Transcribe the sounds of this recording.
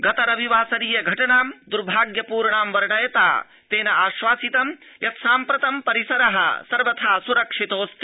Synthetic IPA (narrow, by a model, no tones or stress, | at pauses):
ɡɐt̪ɐɾɐbʱiʋaːsɐɾiːjɐɡʱɐʈɐɳaːmd̪uɾbʱaːɡjɐpuːɾɳaːmʋɐɾɖɐjɐt̪a̰ː | t̪eːnɐʔaːʃʋaːsit̪ɐm | jɐt̪saːmpɾɐt̪ɐmpɐɾisɐɾɐɦɐ̰sɐɾʋɐt̪ʰaːsuɾɐkʂit̪oːst̪ʰi